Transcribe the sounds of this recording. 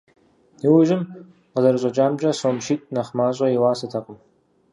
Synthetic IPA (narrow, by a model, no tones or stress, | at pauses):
iwʊʒɪm | qəzɐrɨɕʼɐt͡ʃʼaːmt͡ʃʼɐsoːmʃiːtʼnɐχmaːɕʼɐjɪwaːsɨtʰɐqʷʼʊm